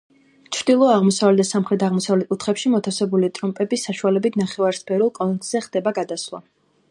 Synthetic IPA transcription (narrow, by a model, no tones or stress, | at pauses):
t͡ʃʰɾd̪ilˠɔaʁmɔsavlɛd̪asamχɾɛt̪ʰaʁmɔsavlɛt̪̚kʼut̪ʰχɛpʃimɔt̪ʰasɛbulit̪ʼɾɔmpʼɛbisaʃualɛbit̪ʰnaχɛvaɾspʰɛɾulˠkʼɔnt̪z̥ɛχd̪̥ɛbaɡad̪aslˠa̰